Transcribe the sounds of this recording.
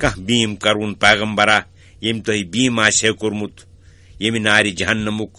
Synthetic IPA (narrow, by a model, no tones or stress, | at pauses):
kɐ̃hbiːmkɐɾunpeːɣɐmbɐɾa | jemt̪oɦibiːmaːsekuɾmut̪ʰ | jeminaːɾid͡ʒɐɦɐnːɐmuk